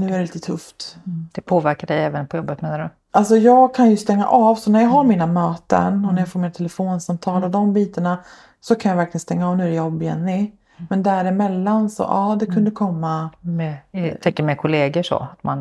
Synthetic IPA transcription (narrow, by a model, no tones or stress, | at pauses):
nʉ̟ːæɾɛliːt̪ət̪ʰɵft̪d̪̥ɛpʰoːvæɾkadɛjɛːvənpʰɔjɔbːət̪meːnaɖɵ | ʔals̬ɔjɑːɡ̚kʰanjɵst̪ɛŋːa̰ʔɑːvsɔnæɾjɑːɡɦaɾmiːnamøːt̪ə̰nɔnæɾjafoːɾmiːnat̪ʰɛlɛfoːnsamt̪ʰɑːlɔd̪ɔmbiːt̪əɳa | sɔkʰanjavæɾklɪɡənst̪ɛŋːaɑːvnʉ̟æɾɛjɔbɪjɛ̰nːɪ | mɛnd̪æɾɪmɛlːansɔ̰ʔɑːd̪ɛkʰɵnd̪əkʰɔmːamɛt̪ʰɛŋkːəmɛkʰʊleːɡəʂɔ̰at̪man